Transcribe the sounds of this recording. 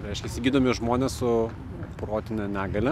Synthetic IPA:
ɾʲɛɪʃʲkʲɛɪsʲɪɡʲiːd̪oːmʲɪʒmoːnʲɛssʊ | pɾoːt̪ʲɪnʲɛnʲæːɡɐlʲɛ

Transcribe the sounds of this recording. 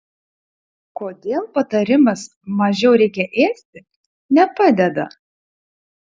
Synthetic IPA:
koːd̪ʲeːlˠpɐt̪ɐɾʲɪmɐs | mɐʒʲɛʊɾʲɛɪkʲɛʔeːsʲt̪ʲɪ | nʲɛpɑd̪ʲɛd̪ɐ̰

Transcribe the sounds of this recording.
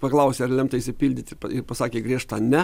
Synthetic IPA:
pɐklˠɐʊsʲeːɐɾlʲɛmt̪ɐɪʃʲsʲɪpʲiːlʲdʲɪt̪ʲɪpɐɪɾpɐsɑːkʲeːɡɾʲiɛʃt̪ɐnʲɛ

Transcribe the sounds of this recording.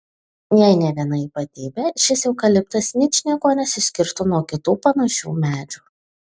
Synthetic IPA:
jɛɪnʲɛʋʲiɛnɐiːpɐt̪ʲiːbʲɛʃʲɪsjɛʊkɐlʲɪpt̪ɐsnʲɪt͡ʃʲnʲiɛɡoːnʲɛsʲɪsʲkʲɪɾt̪ʊnuɔkʲɪt̪uːpɐnɐʃʲṵːmʲæːd͡ʒʲuː

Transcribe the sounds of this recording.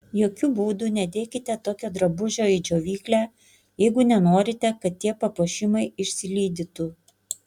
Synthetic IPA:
joːkʲubuːd̪uːnʲɛd̪ʲeːkʲɪt̪ʲɛt̪oːkʲod̪ɾɐbʊʒʲoːɪd͡ʒʲoːʋʲiːklʲæː | jɛɪɡʊnʲɛnoːɾʲɪt̪ʲɛkɐt̪t̪ːʲiɛpɐpoːʃʲɪmɐɪɪʃʲsʲɪlʲiːd̪ʲɪt̪ʊ

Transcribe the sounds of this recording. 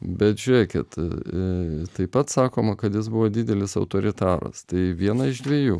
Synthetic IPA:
bʲɛt̪ʒʲʊɾʲiɛkʲɪ̰t̪ | t̪ɐɪpɐt̪sɑːkoːmɐkɐt̪jɪs̬bʊʋoːd̪ʲɪːd̪ʲɛlʲɪsɐʊt̪oːɾʲɪt̪ɑːɾɐ̰st̪ɐɪʋʲiɛnɐɪʒd̪ʲʋʲiɛjuː

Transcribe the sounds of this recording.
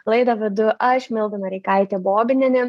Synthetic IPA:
lˠɐɪd̪ɐʋʲɪd̪ʊʔɐʃʲmʲɪlˠd̪ɐnɐɾʲɛɪkɐɪt̪ʲeboːbʲɪnʲɛnʲɪ

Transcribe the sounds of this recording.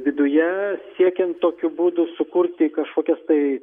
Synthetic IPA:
ʋʲɪd̪ʊjɛsʲiɛkʲɛnt̪t̪ːoːkʲʊbuːd̪ʊsʊkʊɾʲt̪ʲɪkɐʃkoːkʲɛst̪ɐɪ

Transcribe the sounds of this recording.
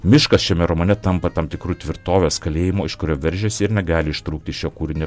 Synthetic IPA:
mʲɪʃkɐsʃʲɛmʲɛɾomoːnʲɛt̪ɐmpɐt̪ɐmt̪ʲɪkɾuːt̪ʲʋʲɪɾt̪oːʋʲeːskɐlʲeːjɪmoːɪʃkʊɾʲoːʋʲɛɾʲʒʲɛsʲɪɪɾnʲɛɡɑːlʲɪɪʃt̪ɾuːkt̪ʲɪʃʲoːkuːɾʲɪnʲɛ

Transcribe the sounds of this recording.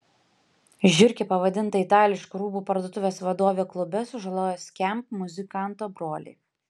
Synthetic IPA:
ʒʲʊɾʲkʲepɐʋɐd̪ʲɪnt̪ɐɪt̪ɑːlʲɪʃkuɾuːbuːpɐɾd̪oɔːt̪ʊʋʲeːsʋɐd̪oːʋʲeːklˠʊbʲɛsʊʒɐlˠoːjɛsʲkʲɛmpmʊzʲɪkɑˑnt̪oːbɾoːlʲḛː

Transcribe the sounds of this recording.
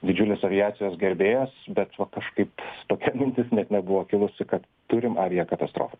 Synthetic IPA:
d̪ʲɪd͡ʒʲʊlʲeːsɐʋʲɪjæːtsʲɪjoːsɡʲɛɾʲbʲeːjosbʲɛt̪ʋɐkɐʃkɐɪpt̪oːkʲɛmʲɪnʲt̪ʲɪsnʲɛt̪nʲɛbʊʋoːkʲɪlˠʊsʲɪkɐt̪ | t̪ʊɾʲɪmɐɾʲijɛkɐt̪ɐst̪ɾo̰ːfɐ

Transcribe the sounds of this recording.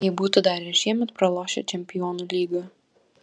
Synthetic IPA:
jɛbuːt̪ʊd̪ɑːɾʲɛʃʲiɛmʲɛt̪pɾɐlˠoːʃʲɛ̰t͡ʃʲɛmʲpʲɪjɔːnuːlʲiːɡɐ

